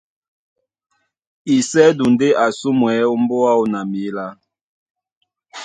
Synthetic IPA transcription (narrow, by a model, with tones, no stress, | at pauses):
i˨sɛ˦du˨nde˦ʔa˨su˦mwɛ˨˦u˦mbo˦a˦u˨na˨mi˨˦la˦